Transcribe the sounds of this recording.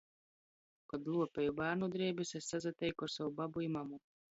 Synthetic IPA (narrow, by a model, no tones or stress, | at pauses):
kɔd̪lˠuɔpʲɛjubæːɾnud̪ɾiɛbisɛsːazat̪ʲɛjkɔɾsawubabuimamu